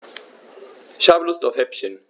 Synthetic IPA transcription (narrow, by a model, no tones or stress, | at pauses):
ʃablustɔfhɛpʃə̃n